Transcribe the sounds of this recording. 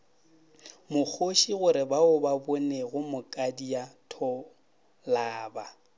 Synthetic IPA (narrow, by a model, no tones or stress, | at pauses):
mʊk͡xʰoʃiɣʊɾɪbaʊbabʊneɣʊmʊkʼadijatʰɔ | laːba